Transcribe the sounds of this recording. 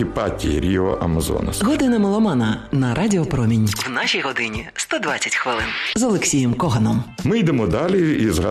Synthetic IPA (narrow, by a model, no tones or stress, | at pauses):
ipɑtʲːḭɾʲiɔʔɐmɐzɔ̰nɐsɦɔd̪ɪnɐmɔlˠɔmɑnɐnɐɾʔadʲɪɔpɾɔmʲinʲwnaʃijɦɔd̪ɪnʲist̪ɔd̪ʋat͡sʲɐ̥tʲxʋɪlˠɪnzɔlˠeksʲijɛmkɔɦɐnɔmmɪjd̪emɔd̪ɑlʲiizɦɐ